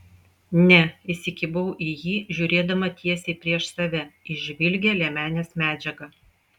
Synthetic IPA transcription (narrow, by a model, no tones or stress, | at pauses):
nʲɛɪsʲɪkʲɪbɐʊʔijiːʒʲʊːɾʲeːd̪ɐmɐt̪ʲiɛsʲeɪpʲɾʲiɛʃsɐʋʲɛɪʒʲʋʲɪlʲɡʲɛlʲɛmʲæːnʲeːsmʲæːd͡ʒʲɛɡɐ